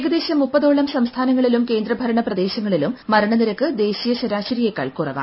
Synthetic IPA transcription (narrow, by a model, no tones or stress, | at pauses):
ɡɐd̪e̞ːɕɐmːupːɐðo̞ːɭɐmsɐmst̪ʰaːnɐŋːɐɭilumke̞ːnd̪rɐbʱɐɾɐɳɐprɐd̪e̞ːɕɐŋːɐɭilumːɐɾɐɳɐniɾɐkːɨd̪e̞ːɕijɐɕɐɾaːɕɐɾijekːɐ̰ɭkurɐʋa̰